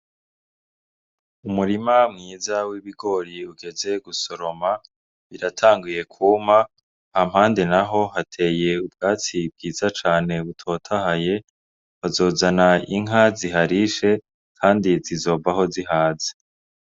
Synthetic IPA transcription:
umuɾimamŋiːzawiβiɡo̞ɾiuɡe̞ze̞ɡuso̞ɾo̞ma | βiɾatʰaːŋɡuje̞kʰuːma | hamhaːnde̞naɦo̞ɦatʰe̞ːje̞ubɡaːt͡sib̚ɡiːzat͡ʃaːne̞βutʰo̞ːtʰahaje̞ | βazo̞ːzanaiŋɦaziɦaɾiʃe̞ | kʰaːndizizo̞ːvaɦo̞ziɦaːze̥

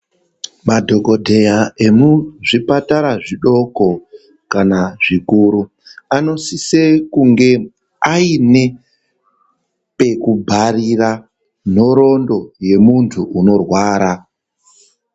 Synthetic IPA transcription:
madʱoko̞dʱe̞jae̞muʐipataɾaʐiɗo̞ko̞ | kanaʐ̥ikuːɾu | ano̞sisekuŋɡe̞ | aine̞ | pe̞kubʱarira | n̤o̞ɾo̞ndo̞je̞muntʰuuno̞rwaːɾa

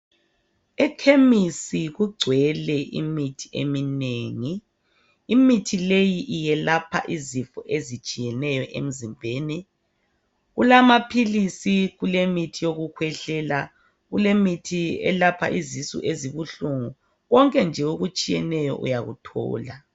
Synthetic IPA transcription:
ɛkʰemisiɣuɡ͡ǀʱwɛlɛʔḭmitʰi̥ʔḛmineːŋiː | mitʰilejiʔijɛlapʰa̰ʔizifɔʔezit͡ʃʼijɛnɛjɔʔḛm̩zimbʱeːni | ɣulamapʰilisiɣulemitʰijoɣukʰwɛɬɛla | ɣulemitʰiɛ̰lapʰa̰ʔizisṵʔeziβuɬuŋu | ɣɔŋkʼɛnd͡ʒʱɛɣoɣut͡ʃʼijɛnɛjɔ̰ʔṵjaɣṵtʰɔ̰ːla

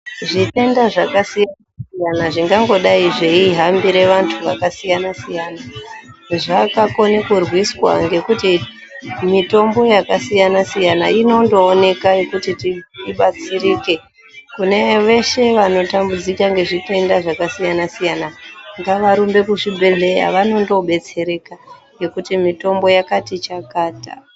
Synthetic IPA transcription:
ʐite̞ndaʐakasijanasijanaʐiŋɡaŋɡo̞ɗaiʐeiɦambiɾe̞ʋantʰuʋakasijanasijana | ʐakako̞nekurwiswa̰ŋɡe̞kuti | mito̞mbo̞jakasijanasijana̰ino̞ndo̞ːne̞kaekutitiiɓat͡siriːke̞ | kune̞ʋe̞ʃe̞ʋano̞tambud͡zikaŋɡe̞ʐite̞ndaʐakasijanasijanaŋɡaʋaɾumbe̞kuʐibʱe̞ɮe̞ja̰ʋano̞ndo̞ɓe̞t͡se̞ɾe̞ka | je̞kutimito̞mbo̞jakatit͡ʃakaːta̰

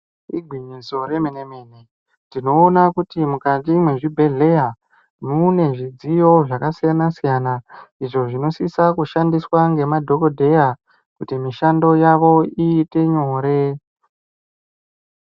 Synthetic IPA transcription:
iɡʱwiɲizo̞ɾe̞menemene | ndino̞ːnakutimukatimwe̞ʐibʱe̞ɮe̞ja | mune̞ʐid͡zijo̞ʐakasijanasijanaiʐo̞ʐino̞sisakuʃandiswaŋɡe̞madʱo̞ko̞dʱe̞ja | kutimiʃando̞jaʋo̞iːte̞ɲo̞ːɾe̞

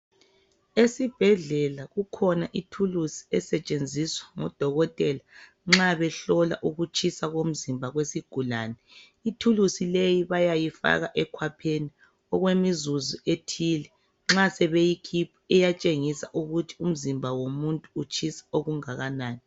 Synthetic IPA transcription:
esib̥ʱɛɮɛlaɣukʰɔnaʔitʰulusi̥ɛsɛt͡ʃʼend͡zʱiswḁŋɔ̰d̥ʱɔɣɔtʼɛla | ŋ͡ǁaβɛɬɔla̰ʔuɣut͡ʃʰisaɣom̩zimbʱaɣwesiɡ̥ʱulaːnɛ | itʰulusilejiβajajifa̰ɣaʔɛkʰwapʰeni | ɔɣwemizuzuʔetʰilɛ | ŋ͡ǁasɛβejikʰipʰuɛjat͡ʃʼeŋisaʔuɣutʰi̥um̩zimbʱawomuntʼuːt͡ʃʰisḁoɣuŋaɣanaːni

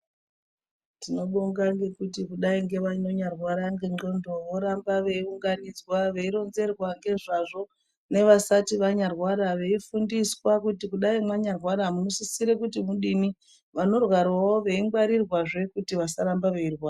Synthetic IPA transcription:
tino̞ɓoŋɡaŋɡe̞kutikuɗaiŋɡe̞ʋaɲo̞ɲarwaɾaŋɡe̞ŋ͡ǃo̞ndo̞ʋo̞ɾambaʋe̞iuŋɡanid͡zwaʋe̞iɾo̞nze̞rwaŋɡe̞ʐaʐo̞ | ne̞ʋasatiʋaɲarwaɾaʋe̞ifundiswakutikuɗaimwaɲarwaɾamuno̞sisiɾekutimuɗini | ʋano̞rwaɾwaoʋe̞iŋɡwaɾirwaʐe̞kutiʋasaɾambaʋe̞irwaːa

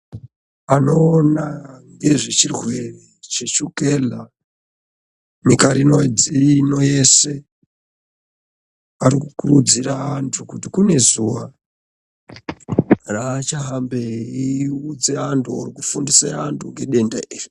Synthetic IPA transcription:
ano̞ːnaŋɡe̞ʐet͡ʃirwe̞ret͡ʃet͡ʃuke̞la | mikaɾinod͡zino̞je̞se̞ | aɾikukurud͡ziraːntʰukutikune̞zuwa | raːt͡ʃaɦambeiud͡zeantʰua̰rikufundiseantʰuŋɡe̞ɗe̞ndaiːri

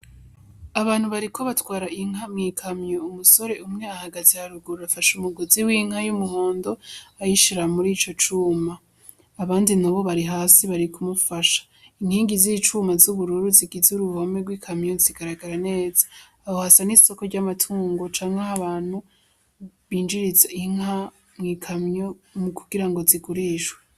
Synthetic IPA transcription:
aβaːn̥huβaɾikʰo̞βatwaːɾaiŋ̥amŋiːkʰamɲoumuso̞ɾe̞umŋe̞ahaɡazihaɾuɡuɾuafaʃumuɡoziwiːŋ̥hajumuho̞ːndo̞ajiʃiɾamuɾiːt͡ʃo̞t͡ʃuːmaː | βaːndinaβo̞βaɾiɦaːsiβaɾikumufaʃḁ | iŋhiːŋɡizit͡ʃuːmazuβuɾuɾuziɡizuɾuvomeɡwiːkʰamɲo̞ziɡaɾaɡaɾane̞ːzḁː | ohasaniso̞ko̞ɾɟamatʰuːŋɡo̞t͡ʃaːŋhehaβaːn̥hu | βiːnd͡ʒiɾizeiŋ̥ɦa | mŋiːkʰamɲo̞mukuɡiɾaŋɡo̞ziɡuɾiʃwe

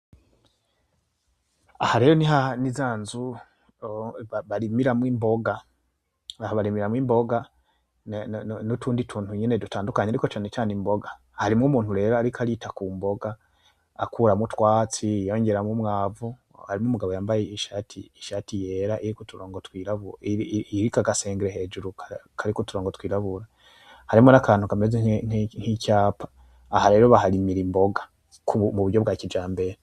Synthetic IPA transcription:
ahaɾe̞ːjoniɦanizaːnzu | aβaɾimiɾamwiːmbo̞ɡa | ahaβaɾimiɾamwiːmbo̞ɡa | nutuːnditʰuːnthuɲene̞dutaːndukaɲaɾiko̞t͡ʃaːnet͡ʃaːnimbo̞ɡa | haɾimŋumuːnhuɾe̞ːɾaaɾikʰaɾitakuːmbo̞ɡaː | kʰuːɾamutwaːt͡sijo̞ɲɟe̞ɾamumŋaːvu | haɾimŋumuɡaβo̞jaːmbajeiʃatʰiːʃaːtije̞ːɾaʔiɾikotuɾoːŋɡotwiːɾaβuiɾikaɡaseːŋɡeɾeɦe̞ːd͡ʒuɾukkʰaɾikotuɾoːŋɡotwiːɾaβuɾa | haɾimonakaːn̥ukamezenn̥hicaːpʰḁː | haɾe̞ːɾo̞βahaɾimiɾimbo̞ɡḁ | kʰumuβuɾɟo̞bɡaːcid͡ʒaːmbe̞ɾe

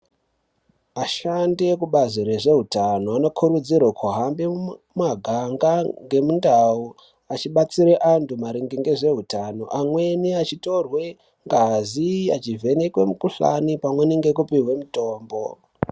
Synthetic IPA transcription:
aʃandiekuɓaziɾeʐe̞ɦutanoano̞kʰurud͡zirwakʰuɦambe | maɡʱaŋɡaŋɡe̞mundau | at͡ʃiɓat͡siɾeʔantumaɾiŋɡiŋɡe̞ʐe̞ɦutano̞ʔamwe̞niat͡ʃito̞rwe̞ | ŋɡaziat͡ʃive̞nekwe̞mukuɬa̰nipamwe̞niŋɡekupiɦwe̞muto̞ːmbo̞

